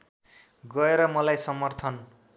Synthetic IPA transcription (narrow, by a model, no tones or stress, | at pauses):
ɡʌeɾʌmʌlajsʌmʌrt̪ʰʌn